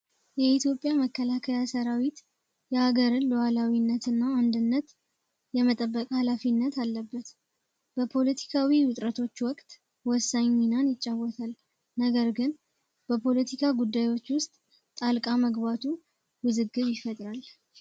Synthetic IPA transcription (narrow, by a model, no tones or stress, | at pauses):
jɛit̪ʰjo̞pʼjaməkʰːəlakʰəjasəɾawit̪ | jɛhaɡəɾɨnlwalawinːət̪ɨnːaːnd̪ɨnːət̪ | jɛmət̪ʼəbːəkʼhalafinːət̪ʰalːəbːət̪ | b̥əpʰo̞lət̪ʰi̥kʰawiwʊt̪ʼɾət̪ʰo̞t͡ʃːwɔkʼt̪ | wɔsːaɲinanjɪt͡ʃʼːawːɔt̪ʰal | nəɡəɾɡɨn | b̥əpʰo̞lət̪ʰikʰaɡud̪ːajwo̞t͡ʃːwʊst̪ʼ | t̪ʼalkʼaməɡbat̪ʰu | wɨzɨɡːɨβjɪfət̪ʼɾal